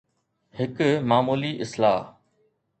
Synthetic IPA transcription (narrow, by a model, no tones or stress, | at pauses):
hɪkmaːmuːliʔɪslaː